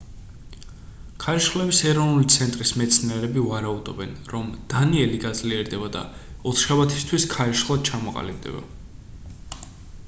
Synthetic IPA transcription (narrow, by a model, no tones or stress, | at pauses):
kʰaɾiʃχlɛbisɛɾɔvnulit̪sʰɛnt̪ʼɾismɛt̪sʰniɛɾɛbivaɾaud̪ɔbɛnɾɔmd̪̥aniɛliɡad̪zliɛɾd̪ɛbad̪a̰ɔt̪ʰʃabat̪ʰi̥st̪ʰwiskʰaɾiʃχlˠad̪̥̚t͡ʃʰamɔqʼa̰libd̪ɛ̰ba̰